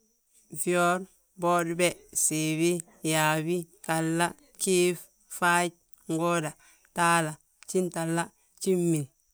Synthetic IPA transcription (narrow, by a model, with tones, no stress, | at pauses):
vi˦o˦ɾ | boː˦dbe˦si˨wi˦ | ja˨wi˦ | ta˨lːa˦ | ki˦f | fa˦ɟ̚ | ŋɡo˦da˨ | taː˦la˨ | t͡ʃi˦nta˨lːa˦ | t͡ʃi˦mːi˨n